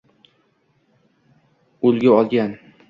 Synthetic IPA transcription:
ʊlɡʲaɒlˠɡʲan

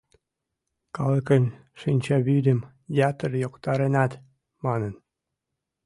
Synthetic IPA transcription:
kɑləkənʲ | ʃinʲt͡ɕɑβyd̪ə̆m | dʲɑt̪ərjokt̪ɑɾenɑt̪ | mɑnə̆n

